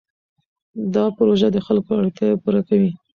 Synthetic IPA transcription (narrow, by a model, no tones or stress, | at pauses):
d̪ɑpɾoʒad̪əxalkoaɽt̪jajapuɾakawi